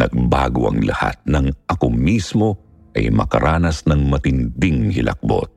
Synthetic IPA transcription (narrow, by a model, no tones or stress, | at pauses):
nɐɡ̚baːɡoʔɐŋlɐha̰t̪̚nɐŋʔɐko̞mismo̞ | ʔɐjmɐkɐɾʔaːnɐsnɐŋmɐt̪ɪnd̪iŋhɪlʔɐ̰k̚bo̞̰t̪̚